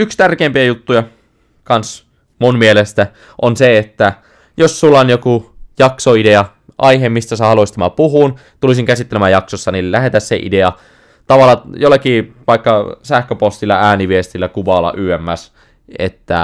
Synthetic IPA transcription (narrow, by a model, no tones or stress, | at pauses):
ykst̪ærkeːmpiæjut̪ːujɑ | kɑns | munmielest̪æ | ʔonseet̪ːæ | josːulːɑonjokujɑksoideɑ | ʔɑiɦemist̪æsehɑluist̪æmæpuɦuːn | t̪ulisiŋkæsit̪ːelemæjɑksosːɑnillæhet̪æssḛʔḭdeɑ | t̪ɑʋɑlːˑɑjolːɑkiːpɑikːɑsæhkøpost̪ilːɑæːniʋiest̪ilːækuʋɑlɑ̰ʔyːæmːæs | ḛt̪ːæ̰